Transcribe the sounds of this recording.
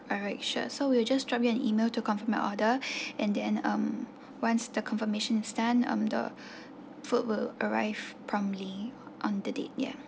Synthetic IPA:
ɔɹaɪtʃə̰sowild͡ʒastɹɔp̚juɛ̃nimeltukɔ̃nfəmɛ̰ʔɔdəɛ̃ndɛ̃nʌ̃m | wãnsdəkʰɔ̃nfəmeʃə̃nstãnʌ̰̃mdə̰ | fut̚wɪləɹaɪv̥pʰɹɔ̃mli | ʔɔ̃ndədḛt̚jɛ̰

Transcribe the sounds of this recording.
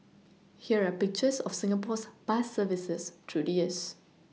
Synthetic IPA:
hiəɹapik̚t͡ʃəsɔfsĩŋapɔspasːəvisəstʰudiəs

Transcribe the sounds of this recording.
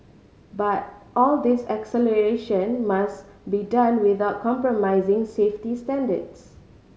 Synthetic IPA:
bat̚ʔɔld̪ɪsɛksɛləɹeʃə̃nmasbidãnwɪθaʊt̚kʰɔ̃mpɹɔmaɪzɪ̃ŋseftistɛ̃ndə̰ds

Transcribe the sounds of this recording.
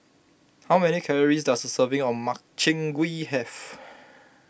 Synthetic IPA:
hawmɛnikʰɛləɹisdasəsəvɪ̃ŋɔ̃nmak̚t͡ʃɪ̃ŋɡwihɛf

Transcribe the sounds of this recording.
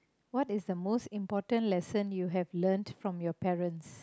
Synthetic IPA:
wɔtɪsd̪əmostĩmpɔtə̃nlɛsə̃njuɦɛvlə̃ntfɹɔ̃mjɔpɛɹə̃ns

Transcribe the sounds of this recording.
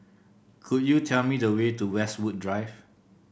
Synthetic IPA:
kʰut̚jutʰɛlmidəwetuwɛswud̚dɹaɪv

